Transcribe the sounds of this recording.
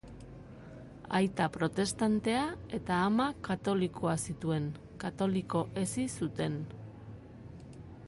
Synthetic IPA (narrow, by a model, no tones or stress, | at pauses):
a̰jt̪apɾo̞t̪e̞st̪ant̪e̞ae̞t̪aːmakat̪o̞likʰo̞asit̪ue̞ŋ | kat̪o̞liko̞ʔe̞sisut̪e̞n